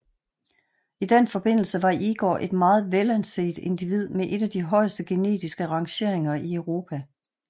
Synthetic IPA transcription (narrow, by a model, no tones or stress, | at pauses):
id̥enfɒ̽b̥e̝n̰l̩səʋɑ̈ʔiɡ̥ɒ̰ːʔe̝d̥mɑ̈ːð̞̩ˠʋelænse̝̰ːd̥e̝nd̥iʋið̞̰ˠmeʔe̝ɾ̥æd̥iɦɒ̽ɪ̰sd̥əɡ̥e̝ne̝̰ːd̥isɡ̥əʁɑ̈ŋɕe̝ɐ̰e̝ŋɐʔiœʊʁo̝ːpʰæ